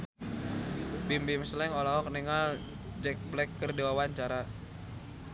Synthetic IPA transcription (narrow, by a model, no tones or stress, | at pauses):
bimbɪmslɛŋɔlaɦɔk̚niŋal | d͡ʒɛk̚blɛkːərdiwawaɲt͡ʃaɾa